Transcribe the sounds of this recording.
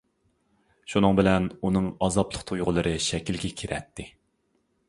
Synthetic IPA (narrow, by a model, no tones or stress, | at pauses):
ʃunɨŋbɪlɛnunɨŋɑzɑplˠəqt̪ʰojʁʊlˠɨɾʔɨʃɛkʲilɡʲɛkʲʰiɾɛ̰t̪ʰːɪ